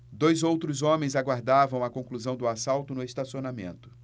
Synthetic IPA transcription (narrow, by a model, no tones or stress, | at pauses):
d̪ojzowt̪ɾʊzõmẽj̃zaɡwaɾd̪avɐ̃w̃ɐkõkluzɐ̃w̃d̪ʊasawt̪ʊnʊest̪asionamḛ̃nt̪ʊ̥